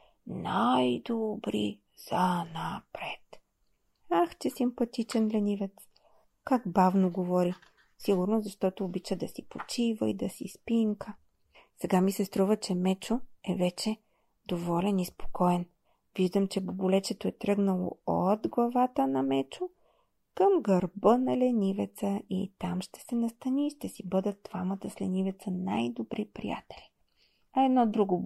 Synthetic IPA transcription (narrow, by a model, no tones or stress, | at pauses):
najd̪obɾḭ | z̥ɐnapɾɛt̪ | axt͡ʃɛsimpɐt̪it͡ʃɛnlʲɛnivɛt̪s | kaɡbavnoɡovɔɾi | siɡʊɾnozɐʃt̪ɔt̪oːbit͡ʃəd̪ɐsipot͡ʃivəid̪ɐsispiŋkə | sɛɡamisɛst̪ɾuvət͡ʃɛmɛt͡ʃoɛvɛt͡ʃɛ | d̪̥ovɔlʲɛnispo̥kɔɛn | viʒd̪əmt͡ʃɛbobʊlɛt͡ʃɛt̪oɛt̪ɾɤɡnəlˠo̰od̪ɡlˠɐvat̪ənɐmɛt͡ʃo | kəmɡəɾbənɐlɛnʲivɛt̪səit̪amʃt̪ɛ̥sɛnɐst̪ɐnʲiʃt̪ɛsibɤd̪ət̪̚d̪vamət̪əslɛnivɛt̪səna̰jd̪obɾipɾḭja̰t̪ɛ̥lʲi | ɐɛd̪nɔd̪ɾuɡo